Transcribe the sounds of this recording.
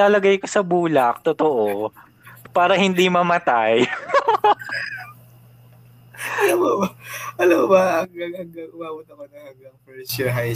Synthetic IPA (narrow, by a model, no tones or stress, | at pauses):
aːlɐɡajkosɐbuːlɐk̚t̪ot̪oʔo | paːɾɐhɪnd̪imɐmɐt̪aj | ɐlamobɐʔɐlamobɐɐŋɐɡɐɡɐʔʊwaːbʊt̪̚nɐmɐnɐŋɐɡɐŋpɛt͡ʃɛɦaj